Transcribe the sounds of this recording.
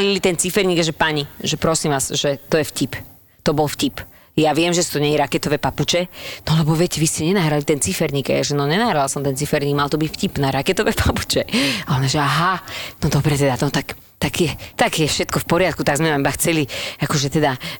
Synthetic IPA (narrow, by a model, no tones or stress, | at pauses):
lilit̪ɛnt͡sifɛɾɲiːɡaʒɛpaɲiʒɛpɾɔsimʋaːsʒɛt̪ɔjɛfcip | t̪ɔbɔlfcip | jaʋɪɛmʒɛst̪ɔɲɛɲiɾakɛt̪ɔʋɛpaput͡ʃɛnɔlɛbɔʋɛcɛʋiscɛɲɛnaɦɾalit̪ɛnt͡sifɛɾɲiːɡa̰jaʒɛnɔɲɛnaɦɾalsɔmt̪ɛnt͡sifɛɾɲiːɡmalt̪ɔbicfcipnaɾakɛt̪ɔʋɛpʰapu̥t͡ʃɛaɔnaʒɛaɦanɔd̪ɔbɾɛt̪ɛd̪anɔt̪ak | t̪akjɛt̪akjɛfʃɛt̪kɔfpɔɾɪat̪̚kut̪aɡzmɛamibaxt͡sɛliakɔʒɛt̪ɛd̪a